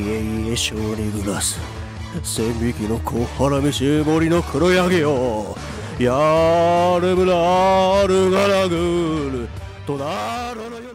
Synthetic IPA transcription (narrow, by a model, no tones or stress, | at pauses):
eieɕoːɾiɡɯɾasɨ̥ | sembʲikʲino̞kʰohaɾamʲiɕiboɾʲino̞kʰɯɾojaɡeo | ja | ɾɯmɯnaɾɯɡaɾaɡɯɾɯ | t̪onaɾoɾ